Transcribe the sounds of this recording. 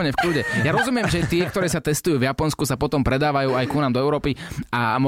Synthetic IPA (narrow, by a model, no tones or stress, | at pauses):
ɲɛfkʎuɟɛjaɾɔzumɪɛmʒɛt̪ɪɛkkt̪ɔɾɛːsat̪ɛst̪ujuːvjapɔnskusapɔt̪ɔmpɾɛd̪aːʋajuːajkunaːmd̪ɔɛʊɾɔːpiamɔ